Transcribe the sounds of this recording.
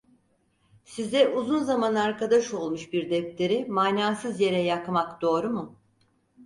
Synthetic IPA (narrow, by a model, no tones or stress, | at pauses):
sizd̪ɛʔuzunzamanaɾkad̪aʃo̞lˠmuʃbiɾd̪ɛpt̪ʰe̞ɾimaːnaːsɯzje̞ɾɛjakmakd̪̥o̞ːɾumʊ